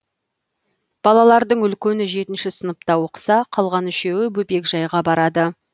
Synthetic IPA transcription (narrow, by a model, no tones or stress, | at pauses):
b̥ɑlˠɑlˠɑɾd̪əɴʏlkʲe̞nɪʒe̞t̪ɪnʃɪsənəpt̪ɑwoqə̥sɑqʰɑlˠʁɑnʏʃe̞wɪbɵpe̞kʒɑjʁɑbɑɾɑd̪ə